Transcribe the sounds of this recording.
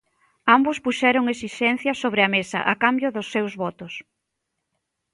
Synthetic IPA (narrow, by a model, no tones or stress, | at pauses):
ambʊspuʃɛɾʊŋesiʃɛn̟θjɐsoβ̞ɾɪɐmesɐ̰ʔakambjʊðʊsːewzβɔt̪ʊs